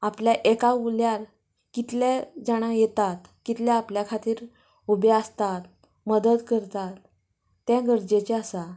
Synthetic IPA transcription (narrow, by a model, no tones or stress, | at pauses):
apljaʔekauljaɾ | kit̪lad͡zaɽ̃ajet̪at̪kit̪ljaapljakʰat̪iːɾ | ubeast̪at̪̚ | məd̪əd̪kəɾt̪at̪ː | jaɡəɾd͡ʑet͡ɕeasa